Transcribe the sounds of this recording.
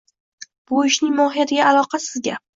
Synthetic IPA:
b̥ʊɪʃnɪŋmɒɦijat̪ʰɪɡʲaːlˠɒqʰɑsɪzɡʲa

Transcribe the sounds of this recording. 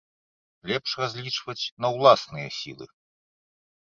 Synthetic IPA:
lʲɛpʂrazʲlʲit͡ʂvɐt͡sʲnɐwlˠasnɨjɐ̰sʲḭlˠɨ̰

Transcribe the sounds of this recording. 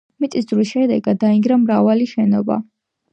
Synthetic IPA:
mit̪ʼisd̪ɾwisʃɛd̪ɛɡad̪ːaiŋɡɾamɾavaliʃɛnɔba̰

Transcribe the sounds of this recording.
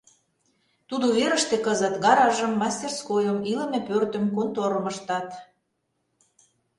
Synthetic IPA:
t̪ud̪oβeɾə̆ʃt̪ĕkəzət̪ɡɑɾɑʒə̆mːɑsʲt̪erskojəmilə̆mepørt̪ə̆mkont̪oɾəməʃt̪ɑt̪

